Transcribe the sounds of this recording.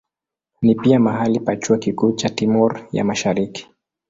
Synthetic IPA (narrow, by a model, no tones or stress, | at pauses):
nipiamaɦalipat͡ʃuakikuːt͡ʃatimɔɾja̰maʃaɾiki̥